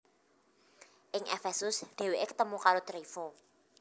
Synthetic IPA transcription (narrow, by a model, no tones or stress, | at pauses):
ʔɪŋʔḛfɛsʊsɖ̥e̤weʔekə̥t̪əmukaɾot̪ɾifo